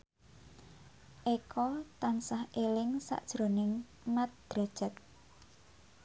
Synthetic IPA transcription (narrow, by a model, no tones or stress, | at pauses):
ʔekʰɔt̪ansahʔelɪŋsa̰ʔd̥ʒ̥ɾo̤nɪŋ | mat̪̚d̪̥ɾa̤d̥ʒ̥ə̤t̪̚